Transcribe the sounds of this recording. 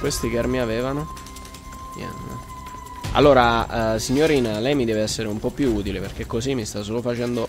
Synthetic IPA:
kwest̪ikɛɾmiaveːvano | ɲɛ̰n̰ | a̰lːoːɾasiɲːoɾiːnalɛjmid̪ɛːveɛsːeɾeumpɔpːjuuːt̪ileperk̟ekːosimːist̪as̬oːlofat͡ʃɛnd̪o

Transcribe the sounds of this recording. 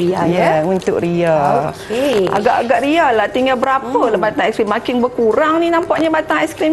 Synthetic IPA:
iajɛunt̪ʊ̰kɾiakea̰ɡaʔaɡaʔɾialaht̪iŋɡalbəɾapəlabat̪aŋɛkskɾimːakɪnbəkuɾaŋninãmpaʔɲabat̪aŋɛskɾim

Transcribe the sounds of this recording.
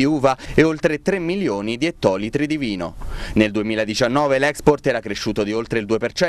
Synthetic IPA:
iuːvaeolt̪ɾet̪ɾemːiljoːnid̪iet̪ːɔːlit̪ɾid̪iviːno̰neld̪uemiːlad̪it͡ʃanːɔːvelɛksport̪ɛːɾakɾeʃːuːt̪od̪iolt̪ɾeild̪uːepert͡ʃɛ

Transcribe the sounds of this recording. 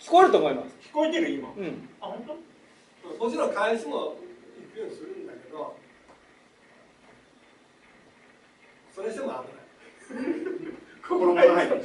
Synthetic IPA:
kʲi̥koaɾɯ̟t̪oːmo̞imasɨ̥kʲi̥ko̞it̪e̞ɾɯ̟imaɯ̃ɴahõnt̪o | soːdmot͡ɕiɾõŋkʰaiɕimoikɯjoːɲʲisɨɾɯ̟̃nd̪ake̞d̪o̞ | so̞ɾe̞ɕd̪emoabɯnai | kʰokoɾokoɾanai

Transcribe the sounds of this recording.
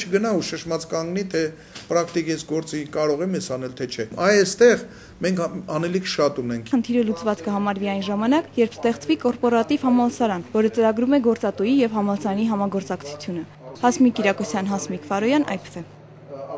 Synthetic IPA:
t͡ʃʰəɡənɑuʃəʃmɑt͡skɑŋɡnit̪ʰɛ | pɾɑk̚ʰt̪ikjɛsɡɔɾt͡sikɑɾɔʁɛmjɛsɑnɛlt̪ʰɛt͡ʃʰɛɑjɛst̪ɛʁ | mɛŋkʰɑnɛlikʰʃɑt̪unɛŋkʰχənt̪ʰiɾəlut͡svɑt͡skəɦɑmɑɾviɑjnʒɑmɑnɑkjɛɾpʰst̪ɛχt͡svikɔɾpɔɾɑt̪ivhɑmɑlsɑɾɑnvɔɾət͡səɾɑɡɾumɛɡɔɾt͡sɑt̪ujijɛvɦɑmɑlsɑɾniɦɑmɑɡɔɾt͡sɑkt͡sʰu̥t͡sʰjunə | hɑsmikiɾɑkɔsjɑnɦɑsmikʰfɑɾɔjɑnʔɑ̰jpə̥sɛ

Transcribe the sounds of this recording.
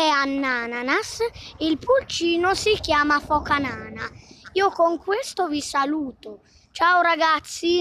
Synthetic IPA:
ɛanːaːnanasilpult͡ʃiːnʊsikjaːmafɔkanaːnaiːokoŋkwest̪ʊvisaluːt̪ʊ | t͡ʃawɾaɡat̪sːi

